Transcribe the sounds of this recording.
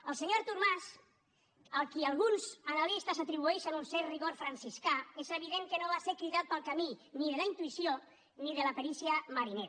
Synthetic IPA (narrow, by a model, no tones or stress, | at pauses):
əlˠseɲoɾt̪uɾmas | əlˠkialˠɣunzanalist̪asət̪ɾiβ̞ueʃənunsɛɾriɣoɾfɾansiskaezəβ̞iðeŋkənoβaseɾkɾiðat̪̚pəlˠkaminiðelaint̪uisjo | niðəlapeɾisjamaɾineɾ